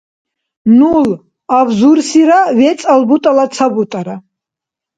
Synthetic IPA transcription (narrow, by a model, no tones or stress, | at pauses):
nul | avzuɾsiɾavɛt̪sʼalbut̪ʼalasʰabut̪ʼaɾa